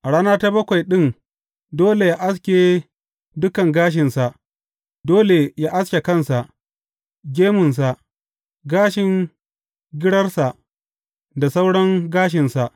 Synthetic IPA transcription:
ʔa˨ɽaː˦naː˦ta˦bɐ˦kʷa˨jɗɪ˦n | doː˦le˨ja˦ʔa˦skʲeː˨ | dʊ˦kɐ˨ŋɡaː˦ʃ̬ɪ˨nsa˨ʔ | doː˦le˨ja˦ʔa˦skʲe˨kɐ˦˨nsa˨ʔ | ɡʲeː˦mʊ˨ns̬a˨ʔ | ɡaː˦ʃɪ˨ŋ | ɡʲɪ˦ɽɐ˦rsa˨ʔ | da˨sa˦wɽɐ˦ŋɡaː˦ʃ̬ɪ˨nsa˨ʔ

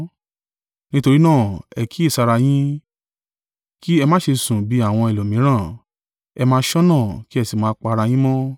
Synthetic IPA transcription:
nĩ˦to˧ɾi˦nãː˦˨ɛ˨ki˨˦e˦˨sa˧ɾa˧j̃ĩ˦ | ki˦ɛ˧mãː˦ʃe˧sũ˨bi˨˦a˦˨w̃ɔ̃˧i˨lo˨mĩ˨˦ɾ̃ã˦˨ | ɛ˧mãː˧˦ʃɔ˦nãː˦˨ki˦ɛ˧si˨mãː˦k͡pa˧ɾa˧j̃ĩ˦mɔ̃˦

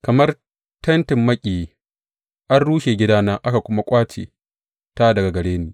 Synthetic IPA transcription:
kɐ˨mɐ˦r | tɐ˦ntɪ˨mːɐ˦kʲʼiː˨j | ʔa˦nɽuː˦ʃeː˨ɡʲɪ˦daː˦naː˦ʔa˦ka˨kʷʊ˦ma˦kʷʼaː˦t͡ʃḛː˨ | ta˦dɐ˨ɡa˨ɡɐ˨ɽeː˦niː˨

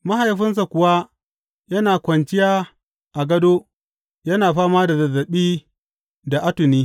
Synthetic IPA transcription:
ma˦ha˨jɸɪ˦ns̬a˨kʷʊ˨wa˦ | jɐ˦naː˨kʷɐ˨nt͡ʃɪ˦jaː˦ | ʔa˨ɡɐ˦doː˦ | jɐ˦naː˨ɸaː˦maː˦da˨zɐ˨zːɐ˨ɓiː˦ | da˨ʔa˦tʊ˨niː˦

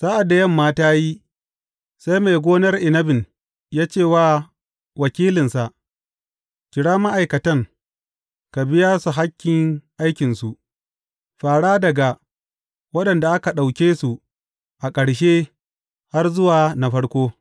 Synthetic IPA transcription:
z̥aː˦ʔa˨dːa˨jɐ˦˨mːaː˦taː˦ji˦ | sa˦jma˨jɡʷoː˦nɐ˦rʔɪ˨nɐ˦bɪ˨n | jaː˦t͡ʃeː˦˨waː˦˨ | wɐ˨kʲiː˦lɪ˨nsa˨ʔ | kʲɪ˨ɽaː˦ma˦ʔa˨jkɐ˨tɐ˦ŋ | ka˨bɪ˦jaː˦su˨ɦa˦kʲːɪ˨ŋʔa˦jkʲɪ˨nsu˨ʔ | ɸaː˨ɽaː˦dɐ˨ɡa˨ | wɐ˦ɗɐ˨nda˨ʔa˦ka˨ɗa˨wkʲeː˦su˨ | ʔa˨kʼɐ˨ɽʃ̬eː˦ | ha˦rzʊ˦waː˨na˨ɸɐ˦ɽkʷoː˦

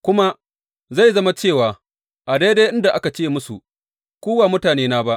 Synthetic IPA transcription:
kʷʊ˦ma˦ | za˦˨jzɐ˦ma˦t͡ʃeː˦˨waː˨ | ʔa˨da˦jde˦ʔɪ˦nda˨ʔa˦ka˨t͡ʃeː˦mʊ˦su˨ | kʷuː˦waː˨mʊ˦taː˨neː˦naː˦ba˦ʔ

